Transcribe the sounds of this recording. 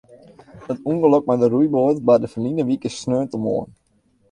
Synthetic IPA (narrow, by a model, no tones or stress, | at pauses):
ətuŋɡəløk̚madərujboːtbadəfəlinəʋikəsnøəntəmo̰ən